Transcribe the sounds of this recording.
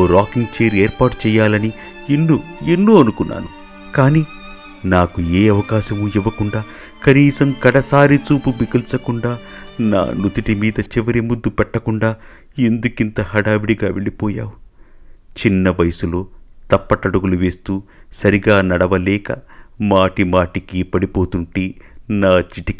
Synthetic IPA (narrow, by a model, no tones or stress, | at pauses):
oːɾaːkiŋɡ̚t͡ʃeːɾeːɾpaːʈu̥t͡ʃɛːjːaːlɐni | enːuenːuːɐnukunːa̰ːnu | kaːniː | naːkueːɐʋɐkaːʃɐmuiʋɐkuɳɖaː | kɐniːsɐmkɐɽɐsaːɾit͡ʃuːpubikɐlsɐkuɳɖaːna̰ːnut̪iʈimiːd̪ɐt͡ʃiʋɐɾimud̪ːupɛʈːɐkuɳɖaː | end̪ukint̪ɐhɐɽaːʋiɽiɡaːʋeɭipɔːja̰ːwu | t͡ʃinːɐʋɐjɐsulo̞ːt̪ɐpːɐʈɐɽuɡuluʋe̞ːst̪uːsɐɾiɡaːnɐɽɐʋɐlɛːkɐ̰maːʈimaːʈikipɐɽipo̞ːt̪uɳʈeːnaːt͡ʃiʈiki